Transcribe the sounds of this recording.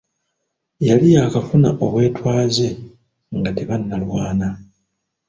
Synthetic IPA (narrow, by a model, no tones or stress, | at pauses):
jalijakafuna̰ʔo̞βwe̞ːtwaːze̞ | ŋɡate̞βanːalwaːna